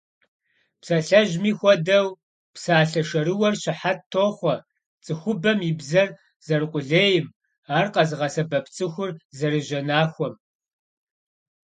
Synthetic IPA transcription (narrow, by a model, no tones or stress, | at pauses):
psɐɬɐʒmiːxʷɔdɐw | psaːɬɐʂɐɾɨwɐrɕɪħatʰːoːχʷɔ | t͡sʼɨxʷʊbɐmibzɐr | z̥ɐrɨqʷʼʊɮeːjɪm | aːrqɐzɨʁɐsɐbɐpʰt͡sʼɨxʷʊrzɐrɨʒɐnaːxʷɔm